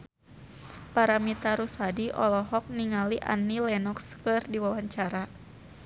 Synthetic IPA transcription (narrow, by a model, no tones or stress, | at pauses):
paɾamit̪aɾusadiʔɔlɔɦɔk̚niŋaliʔa̰nːilɛnɔkskərdiwawaɲt͡ʃaɾa